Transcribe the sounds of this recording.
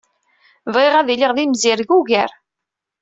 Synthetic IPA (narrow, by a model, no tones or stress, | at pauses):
vʁeʁæðiliʁðimziɾɡuʝæɾ